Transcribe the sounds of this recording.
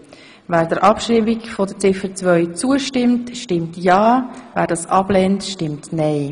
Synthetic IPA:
væːɾdəɾʔɑpʃɪmikfodət͡sɪfət͡svœʏt͡suəʃtɪmtʃtɪmtjaːvæːɾdɑsɑblɛntʃtɪmtnɛɪ

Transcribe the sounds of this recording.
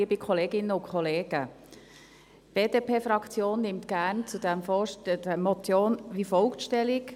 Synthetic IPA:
əbikʰχɔleːɡɪnːəʊkχɔleːɡ̥ə | b̥eːdeːpʰeːfɾɑkχt͡sjoːnːɪmt̪ɡ̥æːɾnt͡sud̥̪ɛmfɔʃdɛmɔt͡sjoːnʋifɔlkʃtɛlɪk

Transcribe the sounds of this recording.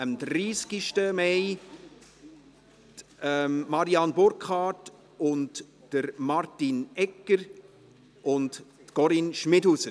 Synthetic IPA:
əmd̪ɾiːsɡ̥iʃtəmɛɪ | ɛmmɑɾiɑnbʊɾkʰχɑːt | ʊnt | d̥əɾmɑɾtinɛkːəɾ | ʊntː | ɡ̥ɔɾinʃmɪdusə

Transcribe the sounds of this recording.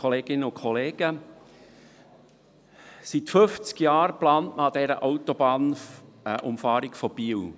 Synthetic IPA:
oleːɡ̥ɪnəʊkʰχɔleːɡ̥ə | sit̪føft͡skjɑːɾplɑːntməɑd̥ɛɾəʔaʊtɔbɑːnəʔʊmfɑːɾɪkfɔb̥iw

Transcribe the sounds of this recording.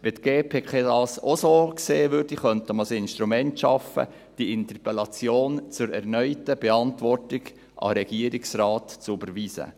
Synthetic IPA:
ʋet̪ɡ̥eːpʰeːkʰeːdɑːsosoːkseːvʏɾdiχœnt̪əmɑsɪnʃtɾumɛntʃɑfə̰ | d̥iɪnt̪ərpɛlɑt͡sjoːnt͡sʊɾɛ̰ɾnœʏtəb̥ɛɑntʋɔrtɪɡ | ʔɑ̰ɾɛɡ̥iəɾiksɾɑːtt͡sʉbəɾʋiːsə̰

